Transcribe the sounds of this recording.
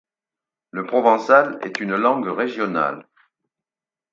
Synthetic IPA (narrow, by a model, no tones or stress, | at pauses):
ləpχɔvɑ̃salɛ̰t̪ynlɑ̃ɡʁeʒjɔna̰l